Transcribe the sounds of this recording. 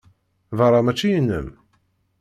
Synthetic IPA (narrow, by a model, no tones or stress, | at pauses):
vəɾˤɑmæt͡ʃːijənːə̰m